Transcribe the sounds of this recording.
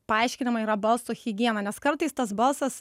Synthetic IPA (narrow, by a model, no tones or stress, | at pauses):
pɐɪʃʲkʲɪnʲɪmɐiːɾɐbɐlˠsuːxʲɪɡʲiɛnɐnʲɛskɐɾt̪ɐɪst̪ɐsbɐlˠsɐs